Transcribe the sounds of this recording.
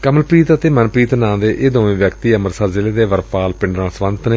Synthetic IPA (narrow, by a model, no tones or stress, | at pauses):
kəməlpɾiːt̪ət̪eːmənpɾiːt̪nãːd̪eːʔeːd̪õːʋẽːʋjəkt̪iːəməɾsəɾzɪleːd̪eːʋəɾpaːlpɪɳɖɾãːsʋənt̪neː